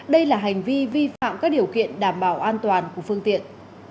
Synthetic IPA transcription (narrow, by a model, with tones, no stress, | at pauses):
ɗə˧jlaː˨˩ɦa˨˩jŋ̟vi˧vi˧fa̰ː˧˨mkaː˦˥k̚ɗi˨˩əwkḭ˧˨ənɗaː˧˩mɓaː˧˩wʔaː˧nt̪waː˨˩nku˧˩əfɨ˧əŋt̪ḭ˧˨ən